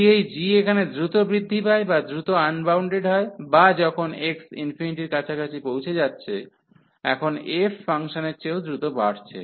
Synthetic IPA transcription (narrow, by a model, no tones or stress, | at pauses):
iejd͡ʑiekʰaned̪ɾut̪obɾid̪ʱːipaebad̪ɾut̪oanbawɳɖeɖɦɔebad͡ʑɔkʰoneksḭnfiniʈiɾkat͡ɕʰakat͡ɕʰipowt͡ɕʰed͡ʑatːɕʰe | ɛ̰kʰonefːaŋʃoneɾt͡ɕeod̪ɾut̪obaɽt͡ɕʰḛ